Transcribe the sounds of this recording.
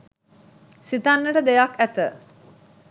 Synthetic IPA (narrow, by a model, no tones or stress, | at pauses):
sit̪anːəʈəd̪ejakæt̪ə